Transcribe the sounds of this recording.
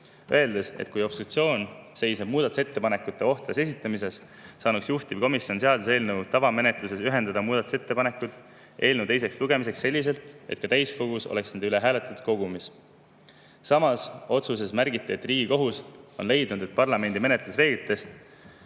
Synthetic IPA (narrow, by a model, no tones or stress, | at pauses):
øe̞ld̪e̞se̞̰t̪kujo̞pst̪ut̪sio̞ːnse̞jsneb̥̚muːd̪ɑt̪use̞t̪ːe̞pɑne̞kːˑut̪ːˑe̞o̞ht̪ɾese̞s̬it̪ːˑɑmise̞sː | ɑːnuksjuht̪iv̥ko̞misjo̞nseɑd̪use̞ːlnewt̪ɑvɑme̞net̪luse̞syɦe̞nd̪ɑd̪ɑmuːd̪ɑt̪u̥se̞t̪ːe̞pɑne̞kːud̪̥ | e̞ːlnuwt̪e̞js̬e̞ksluɡ̥e̞mis̬e̞ksse̞lʲːis̬e̞lt̪e̞t̪̚kɑt̪æjsko̞ɡ̥uso̰le̞ksnend̪eyle̞ɦæːle̞t̪ːˑud̪̥ko̞ɡ̥umis | sɑmɑso̞t̪suse̞smærɡit̪ːˑiet̪ːriːɡiko̞ɦuso̞nle̞jd̪̥nud̪e̞t̪̚pɑrlɑme̞nʲd̪ime̞net̪lusre̞ːɡit̪ːˑe̞st̪